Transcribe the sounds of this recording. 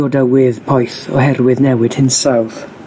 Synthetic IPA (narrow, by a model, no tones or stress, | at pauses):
odawɪðpʰɔjθɔ̰hɛrwɨðnɛwɨd̥hɨnsawð